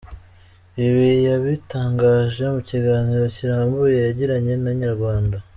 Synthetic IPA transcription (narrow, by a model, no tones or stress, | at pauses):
iβijaβitaːŋɡaːʒe̞muciɡaːnhiɾo̞ciɾaːmbuje̞jaɟiɾaɲe̞naɲaɾɡwaːnda